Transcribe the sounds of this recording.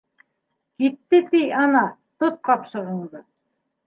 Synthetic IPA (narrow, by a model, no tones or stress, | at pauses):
kit̪ːɘt̪iɑnɑ | t̪ot̪̚qɑpʃɤ̆ʁɤ̆ɴd̪ɤ